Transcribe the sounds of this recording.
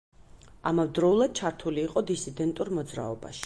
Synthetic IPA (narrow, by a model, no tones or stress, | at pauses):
amavd̪ɾɔulˠad̪̥̚t͡ʃʰaɾt̪ʰuliːqʼɔd̪isid̪ɛnt̪ʼuɾmɔd̪zɾa̰ɔba̰ʃi̥